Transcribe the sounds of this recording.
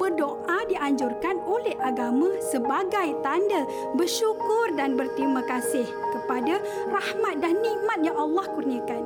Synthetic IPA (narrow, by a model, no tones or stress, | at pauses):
bərdoʔadiʔaɲd͡ʒʊrkanolɛhʔaɡamãsəbaɡajt̪anda | bərʃukʊrdanbərt̪ɾimãkasɪhkəpada | rahmat̪̚danːĩʔmat̪̚jaŋɑlːɑhkurniãkan